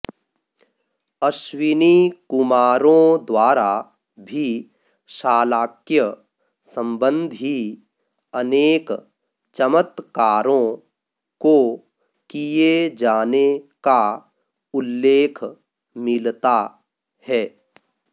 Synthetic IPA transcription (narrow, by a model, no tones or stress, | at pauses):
əʃwɪnikʊmaːɾõd̪waːɾa | bʱi | ʃaːlaːkjə | sə̃mbə̃nd̪ʱi | əneːk | t͡ʃəmət̪kaːɾõ | ko | kijed͡ʒaːneka | ʊlːeːkʰ | mɪlt̪a | hɛː